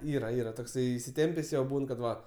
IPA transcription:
ˈiːrɐ ˈiːrɐ toːkˈsɐɪ ɪsʲɪˈtʲɛmʲpʲeːsʲ ˈjoː ˈbuːn kɐt ˈʋɐ

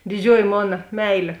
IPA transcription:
dʲɪˈd͡ʒʲuɔjɪ ˈmoːnɐ ˈmʲɛɪlʲeː

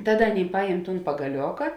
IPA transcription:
ˈtɑːˌdɐ ˈɑːˌnʲeːɪ ˈpɑːjɛm ˈtuːn pɐɡɐˈlʲoːkɐ

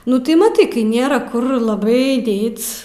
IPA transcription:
ˈnʊ tɐɪ mɐˈtɐɪ kɐɪ ˈnʲeːrɐ ˈkʊr lˠɐˈbɐɪ ˈdʲeːtʲsʲ

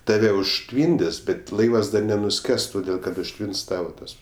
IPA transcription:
tɐˈʋʲɛ ʊʃʲˈtʲʋʲiːnʲdʲɪs bʲɛt ˈlˠɐɪʋɐs ˈdɐr nʲɛnʊˈsʲkʲɛs toːˈdʲeːlˠ kɐt ʊʃʲˈtʲʋʲɪns ˈtɑːʋɐ ˈtɐs

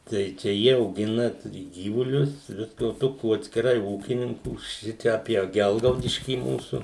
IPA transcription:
ˈtɐɪ t͡ʃʲɛ ˈjiɛ ɐʊˈɡʲɪnɐ ˈtʊrʲɪ ˈɡʲiːʋʊlʲʊs ˈʋʲɪskɐ oː ˈtoːkʲuː ɐtʲsʲkʲɪˈrɐɪ ˈuːkʲɪnʲɪŋkuː ˈʃʲɪt͡ʃʲɛ ɐpʲiɛ ˈɡʲɛlˠɡɐʊdʲɪʃʲkʲiː ˈmuːsʊ

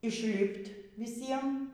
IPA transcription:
ɪʃʲˈlʲɪpʲtʲ ʋʲɪˈsʲiɛm

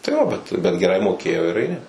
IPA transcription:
tɐɪ ˈjoː bʲɛt ˈbʲɛt ɡʲɛˈrɐɪ moːˈkʲeːjoː ɪr ɐɪˈnʲɪ

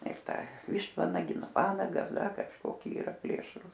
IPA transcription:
ɪr ˈtɑː ˈʋʲɪʃtʋɐnɐɡʲɛɪ ˈnʊ ˈʋɑːnɐɡɐs ˈdɐ kɐʃˈkoːkʲɪ ˈiːrɐ ˈpʲlʲeːʃruːs

